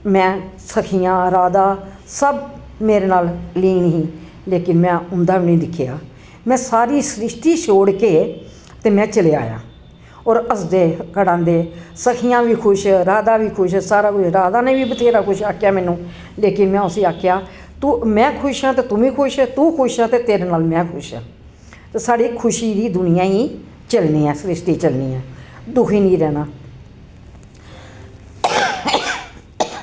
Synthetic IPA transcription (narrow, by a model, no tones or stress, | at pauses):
mɛ̃ː | səkʰijãːɾaːd̪aː | səb | meːɾeːnaːlliːnɦĩː | leːkɪnmɛ̃ːʊnd̪aːʋiːnĩːd̪ɪkʰːja̰ː | mɛ̃ːsaːɾiːsɾɪʃʈ̪iːʃʰoːɽkeː | t̪eːmɛ̃ːt͡ʃəleːa̰ːjã̰ː | ɔːɾəsd̪eːkəɽãːnd̪eːsəkʰijãːʋiːkʰʊʃɾaːd̪aːʋiːkʰʊʃsaːɾaːkʊɾaːd̪aːnẽːʋiːbət̪ʰeːɾaːkʊʃaːkʰjaːmɛːnũː | leːkɪnmɛ̃ːʊsiːaːkʰːjaː | t̪uːmɛ̃ːkʰʊʃãːt̪eːt̪ʊʋĩːkʰʊʃt̪uːkʰʊʃaːt̪eːt̪eːɾeːnaːlmɛ̃ːkʰʊʃã̰ː | t̪eːsaːɽiːkʰʊʃiːd̪iːd̪ʊnɪjãːɦiː | t͡ʃəlniːɛ̃ːsɾesʈiːt͡ʃəlnḭːɛ̃ːd̪ʊkʰiːnĩːɾɛːnaː